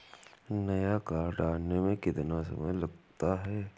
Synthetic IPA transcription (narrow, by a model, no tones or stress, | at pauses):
nɐjakaːɾɖaːɾnemẽkɪt̪ɪnasɐ̰məjlɐɡt̪aɦɛː